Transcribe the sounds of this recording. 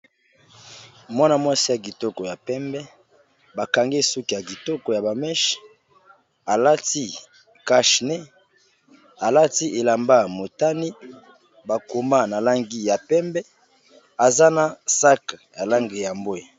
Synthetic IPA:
mwa˦na˦mwa˦si˦ja˨ɡi˨to˦kɔ˨ja˨pɛ˦mbɛ˦ | ba˨ka˨ŋɡe˦su˦ki˨ja˨ɡi˨to˦kɔ˨ja˨ba˨mɛ˦ʃ | a˨la˦ti˦ | ka˦ʃnɛ˦ | a˨la˦ti˦ʔe˨la˨mba˦mo˨ta˦ni˦ | ba˨ko˨ma˦na˨la˦ŋɡi˦ja˨pɛ˦mbɛ˦ | a˨za˦na˨sa˦ka˨ja˨la˦ŋɡe˨ja˨mbo˦e˨

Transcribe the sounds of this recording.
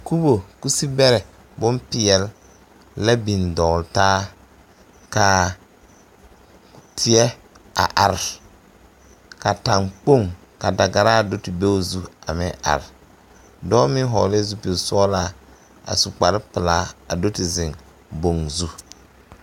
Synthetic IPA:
ku˦bo˨ku˦si˦bɛ˦ɾɛ˨ | bʊ˦mpɪ˨ɛ˨l | la˦bi˨ndɔː˨ltaː˦ | ka˨ | tʰɪ˨˦ɛ˦ | a̰˨ʔa˨ɾɪ˨ | ka˨ta˨ŋk͡po˦˨ŋ | ka˨da˨ɡa˨ɾa˦˨do˦ti˨be˦zu˦a̰˨mɛ̰˦ʔa̰˨ɾɪ˨ | dɔː˦mɪ˦ɦɔ̰ː˨lɪ˦zu˦pi˨˦sɔ˦laː˦ | a̰˨su˨k͡pa˨ɾɪ˦pɪ˨laː˦a̰˨do˦ti˨zɪ˨ŋ | bo˨ŋzu˦

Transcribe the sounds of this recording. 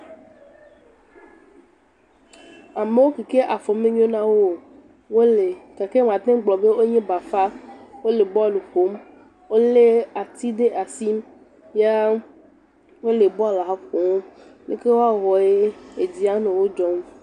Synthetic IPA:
a˨me˦wo˦ki˨ke˦ʔa˨fɔ˨mẽ˦ɲ˦õ˦nã˦wo˦ | wo˦le˨ka˨ke˦m˨ã˨t̪ẽ˦ɡ͡blɔ˨be˦wo˦ɲẽ˦ba˨fa˦wo˦le˨bɔ˦˨lu˨xo˦m | wo˦le˦a˨t̪i˦ɖe˦ʔa˨si˦m | ja˦ | wo˦le˨bɔ˦a˦˨la˨˦ko˨o˦lḛ˦ke˦wo˦a˦ɣɔ˨e˦e˨d͡ʑi˦a˦nẽ˨wo˦d͡ʒɔ˦m˦

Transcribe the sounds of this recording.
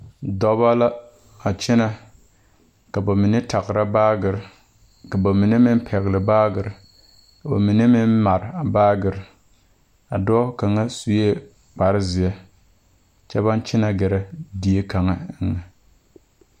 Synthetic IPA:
dɔ˦βa˦la˦ | a˨t͡ʃɪ˦na˨ | ka˨ba˨mi˨ne˦tʰa˨ɣɾa˦baː˦ɡɨ˨ɾ | ka˨ba˨mi˨ne˦mɪ˦n˦pʰɛ˨ɣlɪ˨baː˦ɡɨ˨ɾ | ka˨ba̰˨mi˨ne˦mɪ˦nma˨ɾa˨baː˦ɡɨ˨ɾ | a˨dɔː˦ka˨ŋa˦su˦je˦ | k͡pa˨ɾɪ˦zɪ˨ɛ˦ | t͡ʃɛ˦βa˦nt͡ʃɪ˦na˦˨ɡɛ˨ɾa˦di˨e˦ka˨ŋa˦ɪ˦˨ŋa˨

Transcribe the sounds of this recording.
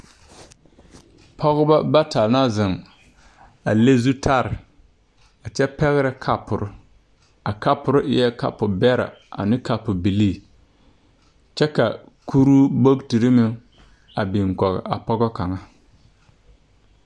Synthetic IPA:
pʰɔ˦ɣʊ˦ba˦ba˦ta˨lna˦zɪ˨ŋ | a̰˨le˦zu˦tʰa˦ɾɪ˨ | a˨t͡ʃɛ˦pɛ˦ɣɪ˦ɾɪ˦kʰa˦pʊ˨ɾʊ˦ | a˨ka˦pʊ˨ɾʊ˦ʔjɛ˦ka̰˨pʊ˨bɛ˦ɾa̰˨a̰˨nɪ˦ka˨pʊ˨bi˨liː˦˨ | t͡ʃɛ˦ka̰˨ | kʰu˦ɾu˦bo˦kti˨ɾɪ˦mɪ˦ | a˨bi˨ŋ˨kɔ˨ɣɪ̰˨ʔa̰˨pɔ˦ɡɔ˦ka˨ŋa˦

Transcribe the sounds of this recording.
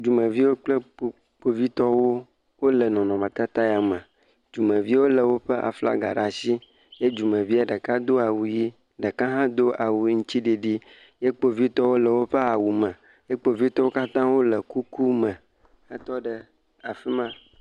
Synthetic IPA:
d͡ʒu˨mə̃˨vi˦wo˦k͡plə˦k͡po˨ | k͡po˨vi˦t̪ɔ˦wo˦ | wo˦lə˨nɔ̃˨nɔ̃˨mə̃˨t̪a˦t̪a˦ja˨mə̃˨ | d͡ʒu˨mə̃˨vi˦wo˦lə˨wo˦ɸə˦ʔa̰˨fla̰˦ɡa̰˨ɖa˨si˦ | je˦d͡ʒu˨mə̃˨vi˦a˨ɖə˨ka˦d̪o˦a˨wu˨ji˦ | ɖə˨kã˦ɦã˦d̪o˦ʔa˨wu˨˦ŋũ˦t͡ɕi˦ɖi˨ɖi˦ | je˦k͡po˨vi˦t̪ɔ˦wo˦lə˨wo˦ɸə˦a˨wu˨mə̃˨ | je˦k͡po˨vi˦t̪ɔ˦wo˦ka˦t̪ã˦wo˦lə˨ku˦ku˦mə̃˨ | ə˦t̪ɔ˦ɖə˨ | a˨fi˦mã˦

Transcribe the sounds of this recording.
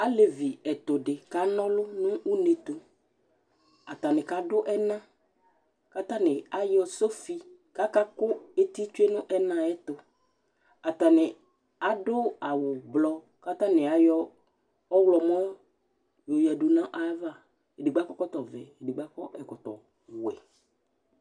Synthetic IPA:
a˦le˨vi˨ɛ˨t̪ʊ˨ɖɪ˨ka˨˦nɔ̃˦lʊ˦nʊ̃˦ʔu˦ne˨t̪ʊ˨ | a˨t̪a˨nɪ̃˨ka˨dʊ˦ʔɛ˦nã˦ | ka˦t̪ã˦nɪ˨a˨˦jɔ˦so˦fi˦ka˦ka˦kʊ˦e˦t̪i˦t͡ʃʊ˦e˦nʊ̃˦ʔɛ˦nã˦ɛ˦t̪ʊ˨ | a˨t̪a˨nɪ˨ | a˨dʊ˦a˨wʊ˨blɔ˨˦ | ka˦t̪ã˦nɪ˨a˨jɔ˦ | ɔ˦wlɔ˨mɔ̃˦ | jo˨jɛ˨du˨nã˦ʔa˨˦va˦˨ | e˨dɪ˨ɡ͡ba˦kɔ˦kɔ˦t̪ɔ˨vɛ̰˨e˨dɪ˨ɡ͡ba˦kɔ˦ʔɛ˨kɔ˨t̪ɔ̰˨ | wɛ̰˨

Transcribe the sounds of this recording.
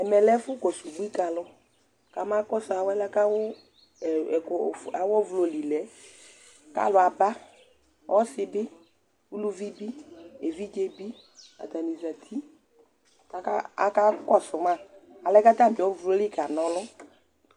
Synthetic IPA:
ɛ˨mɛ˨lɛ˦fʊ˦kɔ˨su˨ɡ͡bu˦i˦ka˨lʊ˦ | ka˨ma˦kɔ˦sʊ˨a˨wɛ˦lɛ˦ka˦wʊ˦˨ | a˨wɔ˦vlo˨li˨lɛ˨˦ | ka̰˦lʊ˨a˨ba˦ | wʔɔ˦sɪ˨bɪ˦ | wu˦lu˦vi˦bi˦e˨vi˦d͡ʒe˦bi˦ | ɔ̰˨da˨ni˨za˨t̪ʰi˦ | ka˨ka˦a̰˨ka˦kɔ˦sʊ˨ma˦˨a˨lɛ˦ka˦da˦˨mɪ˨ɔ˦vlo˦lɪ˦˨ka˨nɔ˨˦lʊ˦

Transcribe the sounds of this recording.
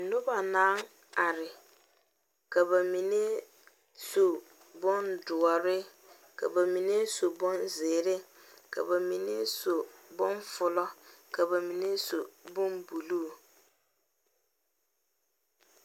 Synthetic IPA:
nʊ˦ba˨nãː˦ŋ | a˨ɾɪ˨ | ka˨ba˨mi˨ne˦ | so˨ | bʊ˦ndʊ˨ɔ˨ɾɪ˦ | kʰa̰˨ba˨mi˨ne˦so˨bʊ˦nzeː˨ɾɪ˦ | kʰa̰˨ba˨mi˨ne˦so˨bʊ˦nfʊ˨lɔ˦ka˨ba˨mi˨ne˦so˨bʊ̃˦mbu˨luː˦˨

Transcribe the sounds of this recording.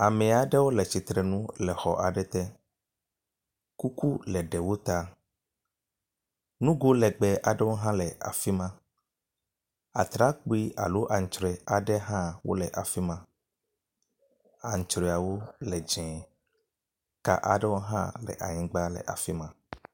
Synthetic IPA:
a˨mɛ̃˨a˨ɖɛ˦wo˦lɛ˨t͡ʃi˨t̪ɾɛ˨nũ˦lɛ˨xɔ˨ʔa˨ɖɛ˦t̪ɛ˦ | ku˦ku˦lɛ˨ɖɛ˨wo˦t̪a˦ | nũ˦ɡo˦lɛ˨ɡ͡bɛ˨ʔa˨ɖɛ˦wo˦ɦã˦lɛ˨a̰˨fi˦mã˦ | a̰˨t̪ɾa˦k͡pu˦i˦ʔa˨lo˦ʔa˨ŋ̩˨t͡ʃɾɛ˨a˨ɖɛ˦ɦã˦wo̰˦lɛ˨ʔa˨fi˦mã˦ | a˨ŋ̩˨t͡ʃɾɛ˨a˨wo˦lɛ˨d͡ʒɛ̃˨ | ka̰˨ʔa̰˨ɖɛ˦wo˦ɦã̰˦lɛ̰˨ʔa̰˨ɲĩ˨ɡ͡ba˦lɛ̰˨ʔa̰˨fi˦mã˦

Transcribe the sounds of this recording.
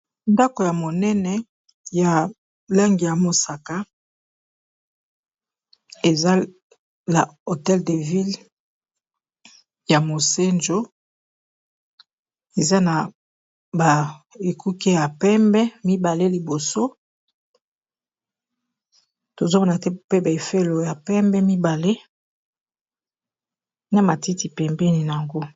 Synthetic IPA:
nda˦ko˨ja˨mo˨nɛ˦nɛ˦ | ja˨ | la˦ŋɡi˨ja˨mo˨sa˨ka˦ | e˨za˦ | na˨o˨tɛ˦lde˨vi˦l | ja˨mo˨se˦nd͡ʒo˦ | e˨za˦na˨ | ba˨e˨ku˦ke˦ja˨pɛ˦mbɛ˦mi˦ba˨le˦li˨bo˨so˦ | to˨zo˦mo˦na˨tɛ˦pe˦ba˨e˨fe˦lo˨ja˨pɛ˦mbɛ˦mi˦ba˨le˦ | na˦ma˨ti˦ti˨pɛ˨mbɛ˦ni˨na˨a˨ŋɡo˦

